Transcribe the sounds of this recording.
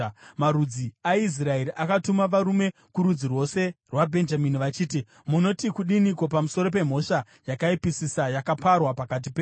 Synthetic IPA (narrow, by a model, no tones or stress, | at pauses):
maɾud͡ziais̬raeɾiʔakatumaʋaɾume̞ | kuɾud͡zirwo̞se̞rwabʱe̞nd͡ʒaminiʋat͡ʃiːti | muno̞tikuɗiniko̞pamuso̞ɾo̞p̬e̞m̤o̞ʃa | jakaipisisajakaparwapakat̬ipeː